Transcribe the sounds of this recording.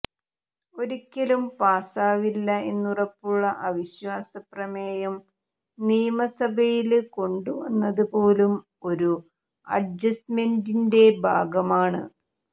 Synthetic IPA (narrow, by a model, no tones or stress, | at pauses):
o̞ɾikʲːɐlumpaːsaːʋilːɐe̞nːurɐpːuɭːɐʔɐʋiɕʋaːsɐprɐmeːjɐm | niːjɐmɐsɐbʱɐjilko̞ɳɖuʋɐnːɐðupo̞ːlum | o̞ɾu | ɐ̰ɖd͡ʑɐsmendinde̞bʱaːɡɐmaːɳɨ̰